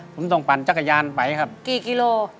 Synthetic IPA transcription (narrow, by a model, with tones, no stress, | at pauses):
pʰo˩˦mt̪ɔ˧˩ŋpa˨˩nt͡ɕa˧˥kːa˧jaː˧npa˨˩jkʰa˦˥˩p̚kiː˨˩ki˧loː˧